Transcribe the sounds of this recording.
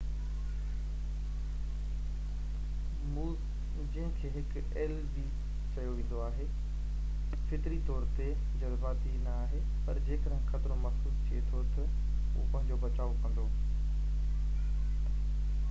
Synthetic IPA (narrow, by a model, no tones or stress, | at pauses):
muː | d͡ʑĩɦɪ̃kʰeːɦɪk | ɛːlbi | t͡ɕɐjoʋẽːn̆d̪oaːɦe | fɪt̪ɪɾit̪ɔːɾt̪e | d͡ʑɐzbaːt̪inɐaːɦe | pɐɾd͡ʑeːkəɾə̃ɦɪ̃xɐt̪ɪɾõmɐsuːst̪ʰiet̪ʰot̪ɐ | ṵːpɐ̃ɦɪ̃ɲd͡ʑobɐt͡ɕaːokɐ̃nd̪oː